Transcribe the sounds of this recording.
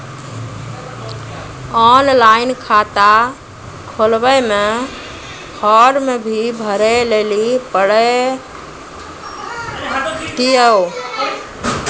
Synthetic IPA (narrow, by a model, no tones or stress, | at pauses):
ɔnlainkʰat̪a | kʰolbəjme | kʰɔɾmebʱibʱəɾɛlelipəɽɛ | t̪iəw